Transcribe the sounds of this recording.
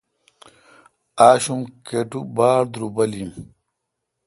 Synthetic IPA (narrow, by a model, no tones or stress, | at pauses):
aːɕumkeʈubaːɾd̪ɾubɐlim